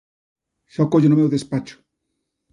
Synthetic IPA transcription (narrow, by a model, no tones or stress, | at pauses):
ʃɔkoʎʊnʊmewðespat͡ʃʊ̥